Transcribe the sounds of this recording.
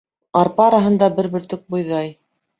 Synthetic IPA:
ɑɾpɑɾɑɦɤ̆nd̪ɑbɘɾbɘ̆ɾt̪ɵk̚bujðɑj

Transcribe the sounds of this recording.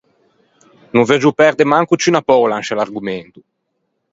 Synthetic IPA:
nuved͡ʒupɛɾd̪emaŋkut͡ʃynapɔwlanʃalarɡument̪u

